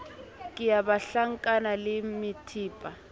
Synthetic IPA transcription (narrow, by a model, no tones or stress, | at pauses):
kʼijaβaɬaŋkʼanalɪmitʰiːpʼa